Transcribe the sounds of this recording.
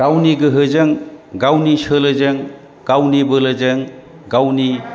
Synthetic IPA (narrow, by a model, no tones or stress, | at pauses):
ɡawniɡɯɦɯzɯŋɡawnisɯlɯzɯŋ | ɡawnibɯlɯzɯŋ | ɡawni